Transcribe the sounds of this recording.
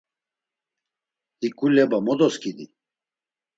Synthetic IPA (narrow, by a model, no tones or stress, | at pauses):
ikulɛbamɔd̪ɔskid̪ḭ